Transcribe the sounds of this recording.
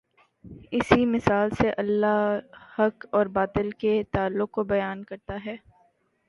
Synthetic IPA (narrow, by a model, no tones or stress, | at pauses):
ɪsimɪsaːlseʔɐlːahɐkɔːɾbaːt̪ɪlket̪aːlːʊq̚kobɐjaːnkɐɾt̪aɦɛː